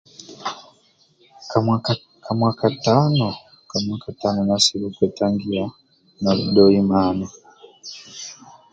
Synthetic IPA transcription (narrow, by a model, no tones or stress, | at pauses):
kamwakataːno | kamwaːkataːnonasiβoːkweːtaːŋɡiɾa | naludoːjimaːni